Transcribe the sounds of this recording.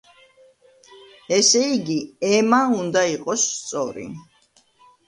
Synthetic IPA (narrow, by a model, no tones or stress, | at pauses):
ɛsɛiɡiɛmaund̪aiqʼɔsːt̪sʼɔ̰ɾḭ